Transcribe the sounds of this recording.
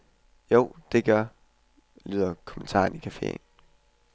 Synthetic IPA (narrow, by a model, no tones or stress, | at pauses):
joʊ̰d̥e̝ɡ̥ɶɐ | ly̰ːð̞̰ˠɐkʰɔ̽men̩t͡sʰɑ̰̈ːnikʰæfe̝̰n